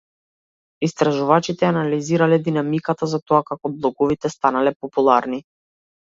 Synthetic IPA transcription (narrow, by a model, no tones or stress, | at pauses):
ist̪ɾaʒuvat͡ʃit̪ɛanaliziɾalɛd̪inamikat̪azat̪ɔakakɔblˠɔɡɔvit̪ɛst̪analɛpɔpulˠaɾni